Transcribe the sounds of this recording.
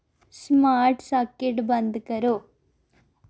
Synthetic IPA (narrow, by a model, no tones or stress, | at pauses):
smaːɾʈsɐkeʈbɐnd̪kɐɾu